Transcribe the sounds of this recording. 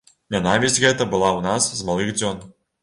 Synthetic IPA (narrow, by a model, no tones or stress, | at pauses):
nʲanavʲizʲɣɛt̪ɐbɨlˠawnaszmalˠɨɣd͡zʲɔn